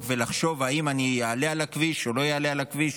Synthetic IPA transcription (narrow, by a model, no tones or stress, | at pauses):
velaχʃo̞vaimanijaalealakviʃo̞lo̞jaalealakviʃ